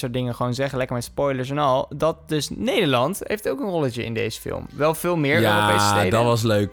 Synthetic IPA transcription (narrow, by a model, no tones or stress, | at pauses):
sʊːɹtdɪŋəχəʋonzɛχəlɛkəɹmɛtspɔjləɹs̬ɛnɑlˠdɑt̚dɵsnejdəɹlɑntɦḛjftowkənrɔlət͡ʃəɪ̰ndḛjzə̥fɪ̰lˠmʋɛlˠvɪːlˠmɪɹaːɾopejsəedɑtʋɑs̬løɥk